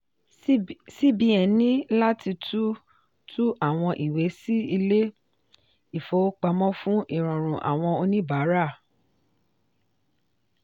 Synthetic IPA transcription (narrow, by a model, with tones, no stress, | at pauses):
si˦bi˧ɛ˨nĩ˦la˦ti˧tʰu˦ | tʰu˦ʔa˦˨w̃ɔ̃˧ʔi˨we˨˦si˦i˧le˦ | i˦˨fo˨˦k͡pa˧mɔ̃˦fũ˦ʔi˦˨ɾ̃ɔ̃˨ɾ̃ũ˨ʔa̰˨w̃ɔ̃˧o˧nĩ˦ba˨˦ɾa˦˨